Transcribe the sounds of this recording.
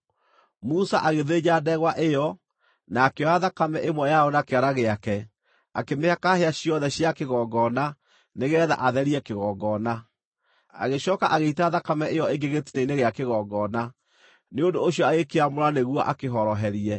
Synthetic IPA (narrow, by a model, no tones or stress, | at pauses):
musaʔaɣeðed͡ʑadɛɣwaʔejɔ | naːkeɔaðakamɛʔemwɛjaɔnakeaɾaɣeakɛ | akemeakaheaɕiɔðɛɕiakeɣɔɡɔna | neɣɛːða̰ʔaðɛɾiɛkeɣɔɡɔna | a̰ɣeɕɔːkaʔaɣeitaaðakamɛʔejɔeɡeɣetineineɣeakeɣɔɡɔna | neondoːɕijɔaɣekeamoɾaneɣwɔʔakeɦɔɾɔɦɛɾiɛ